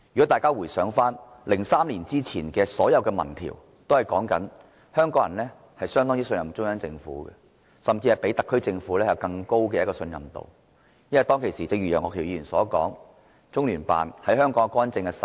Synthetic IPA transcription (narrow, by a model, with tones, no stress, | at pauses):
jy˨kɔ˨˦˥t̪aː˨˩kaː˥wuː˨˩jsœː˨˥ŋfaː˥n | lɪ˨˩ŋsaː˥mliː˨˩nt͡siː˥t͡sʰiː˨˩nkɛː˧sɔː˨˥jɐ˨˧wkɛː˧mɐ̰˨˩nt̪ʰḭ˨˩w | t̪o˥whɐ˨jkɔː˨˥ŋkɐ̰˨˥n | hœː˥ŋkɔː˨˥ŋjɐ˨˩nlɛː˥ | hɐ˨jsœː˥ŋt̪ɔ˥ŋjiː˥sɵ˧njɐ˨mt͡sʊ˥ŋjœː˨˥ŋt͡sɪ˧ŋfṵː˨˥ɡɛ̰˧ | sɐ˨mt͡siː˧hɐ˨˩jpe˨˥t̪ɐ˨kʰːɵ˥ɥt͡sɪ˧ŋfuː˨˥lɛː˥jɐ˨˧˩wkɐ˧ŋko˥wkɛː˧jɐ˥kɔː˧sɵ˧njɐ̰˨mt̪o̰˨˩w | jɐ˥nwɐ˨jt̪ɔː˥ŋkʰe˨˩jsiː˨t͡sɐɪ˧jyː˨˩jœː˨ŋɔː˧kʰi˨˩wjiː˧yː˨˩nsɔː˨˥kɔː˨˥ŋ | t͡sʊ˥ŋlyː˨˩npa̰ː˨nhɐ˨˥jhœː˥ŋkɔː˨˥ŋ˨kɔː˥nt͡sɪ˧ŋkɛ˧s